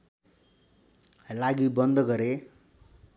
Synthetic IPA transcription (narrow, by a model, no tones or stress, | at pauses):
laɡibʌnd̪ʌɡʌɾe